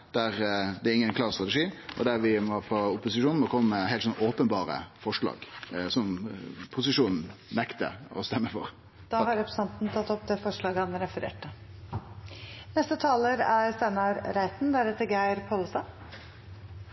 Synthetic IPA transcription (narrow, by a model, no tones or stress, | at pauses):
d̪̥æʁd̪ɛɪŋːənkʰlɑːst̪ʁɑt̪ɛʂiːʔɔd̪æɾʋɪmɔfɔʊpʊsɪʃuːnmɔkʰɔmːəmɛɦɛɪt̪sɔnoːpənbɑːʁə̰fɔʂɭɑ̰ːɡsɔmpʰʊsɪʂuːnn̩nɛkt̪ə̰ɔ̰st̪ɛmːəfɔ̰ʁ | d̪̥ɑːhɑɾɛpɾə̥sɑnt̪nt̪ʰɑt̪ːɔpd̪ɛfɔʂɭɑːɡəhɑnɾɛfəɾḛːʈə | nɛst̪ət̪ʰɑːləɾæɾsænɑɾɾæɪt̪n̩d̪æɾɛt̪ːəɾɡæɪɾpʰoləsɑ